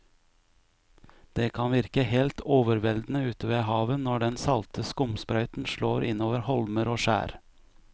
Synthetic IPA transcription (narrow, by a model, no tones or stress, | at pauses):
d̪̥eːkʰɑnʋɪɾkəhɛːlt̪ʰoːʋəɾʋɛld̪n̩əʉːt̪əʋeːhɑːʋənɔɖɛnsɑlt̪ʰəskʊmspɾɑʏt̪n̩ʃɭoːɾʔɪnoːʋəɾhɔlməɾoːʃæ̰ːɾ